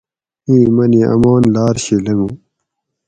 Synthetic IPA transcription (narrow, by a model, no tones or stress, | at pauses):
ĩːmɐniʔɐ̰maːnlaːɾɕilɐmu